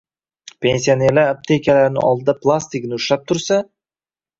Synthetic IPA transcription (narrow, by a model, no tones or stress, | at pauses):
pʰensʲijaneɾlaɾap̚t̪ʰekʲalaɾɪnɪ̰ɒ̰lˠd̪ɨd̪aplˠast̪iknɪʊʃlap̚t̪ʰʊɾsa